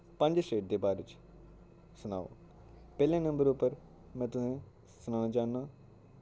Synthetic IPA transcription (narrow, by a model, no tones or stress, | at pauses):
pə̃ɲd͡ʒʃeːʈ̚d̪eːbaːɾɪt͡ʃ | sʊnaːʋo̰ː | pɛːljãːnɐ̃mbəɾuːpəɾ | mɛ̃ːt̪ʊsẽ | sʊnãːd͡ʒaːnːãː